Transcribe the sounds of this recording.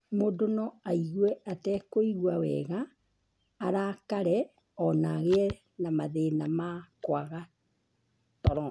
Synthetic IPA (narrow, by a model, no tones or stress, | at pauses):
modonɔaiɣwɛatɛkoiɣwawɛ̰ɣaː | ɾakaɾɛ | ɔnaɣeɛ | namaðenamakwaɣa | tɔɾɔ